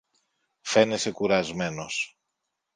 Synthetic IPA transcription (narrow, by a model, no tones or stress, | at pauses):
fe̞nese̞kuɾɐzme̞no̞s